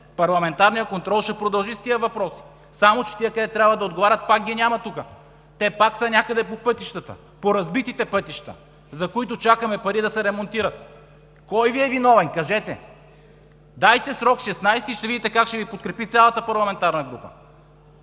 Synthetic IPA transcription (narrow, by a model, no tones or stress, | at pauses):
pɐɾlˠɐmɛnt̪aɾnijəkont̪ɾɔlˠʃɛpɾod̪ɐlˠʒist̪ijəvɐpɾɔsi̥ | samot͡ʃɛ̥t̪ijəkɐd̪ɛt̪ɾʲabvəd̪ɐod̪̚ɡovaɾʲɐt̪̚pak̚ɡʲinʲamɐt̪ukə | t̪ɛpaksɐnʲakəd̪ɛpopɤt̪iʃt̪ət̪ə̰ | poɾɐzbit̪it̪ɛpɤt̪iʃt̪ə̰ | zɐkoit̪ot͡ʃakɐmɛpɐɾid̪ɐsɛɾɛmont̪iɾɐt̪ | kɔjviɛvinɔvɛnkɐʒɛt̪ɛ̰ | d̪ajt̪ɛsɾɔkʃɛsnajst̪iʃt̪ɛvid̪it̪ɛkakʃt̪ɛvipot̪̚kɾɛpit̪sʲalˠɐt̪əpɐɾlˠɐmɛnt̪aɾnɐɡɾupə̰